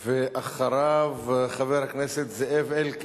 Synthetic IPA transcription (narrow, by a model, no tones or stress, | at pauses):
veʔaχaɾavχaveɾhakneset̪zeʔevelk